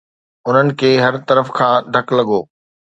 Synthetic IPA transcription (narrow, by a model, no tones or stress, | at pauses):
ʊn̤ənɪ̆kʰeːɦɐɾt̪ɐɾəfkʰãːɖʱɐklɐɠoː